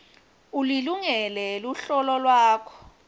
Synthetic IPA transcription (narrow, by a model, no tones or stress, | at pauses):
uliluŋɛlɛluɬɔlɔlwaːkʰɔ̥